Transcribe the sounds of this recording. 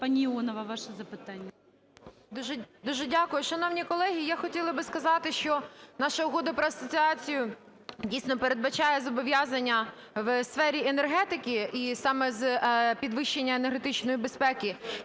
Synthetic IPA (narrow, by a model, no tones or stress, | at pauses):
panʲiiɔnɔʋɐʋɑʃɛzɐpɪt̪anʲːɐ | d̪uʒɛd̪uʒɛdʲakʊjʊʃɐnɔwnʲikɔlˠɛɦʲijaxɔtʲilˠɐbɪskɐzɑt̪ɪʃt͡ʃɔnɑʃɐʊɦɔd̪ɐpɾɐɐsɔt͡sʲiɑt͡sʲijʊ | dʲijsnɔpeɾe̞d̪̚bɐt͡ʃɑjɛzɔbɔʋʲjazɐnʲːɐ | ʋsfɛɾʲienerɦɛt̪ɪkʲɪisɑmɛzpʲid̪ʋɪʃːenʲːɐenerɦet̪ɪt͡ʃnɔjibespɛkʲɪ